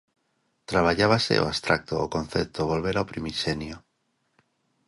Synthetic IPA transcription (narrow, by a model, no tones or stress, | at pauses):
t̪ɾaβ̞aʎaβasḛo̰ast̪ɾak̚t̪oːko̞nθe̞p̚t̪oβ̞o̞lβe̞ɾaopɾimisenjo